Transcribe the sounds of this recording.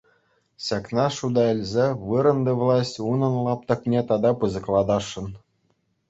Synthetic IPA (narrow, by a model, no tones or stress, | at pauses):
ɕɑknɑʂud̪ɑĕlʲzʲeʋɯɾɤ̆nd̪ɤ̆ʋlˠɑsʲtʲunɤ̆nlˠɑp̚t̪ɤ̆knʲet̪ɑd̪ɑpɯzɤ̆klˠɑd̪ɑʂːɤ̆n